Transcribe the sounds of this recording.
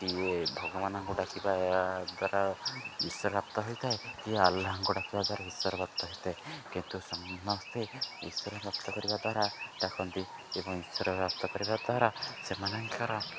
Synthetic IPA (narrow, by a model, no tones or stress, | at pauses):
t̪iebʱɔɡɔmanɔŋkuɖakibad̪waɾaisɔɾɾap̚t̪ɔɦojt̪ʰaekiaalːaɦaŋkuɽakʰibad̪waɾaisɔɾɔbɔkt̪ɔɦojt̪ʰaekint̪usɔŋnɔst̪ʰeisɔɾɔbɔpt̪ɔkɔɾibad̪waɾaʈakʰɔnt̪i | ebɔŋisɔɾɔpɾap̚t̪ɔkɔɾibad̪waɾasemanɔŋkʰaɾɔ